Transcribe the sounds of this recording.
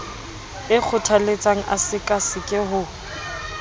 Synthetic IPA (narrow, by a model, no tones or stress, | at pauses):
ɪk͡xʰʊtʰalet͡sʼaŋ̩ʔa̰sɪkʼasɪkʼɪɦʊ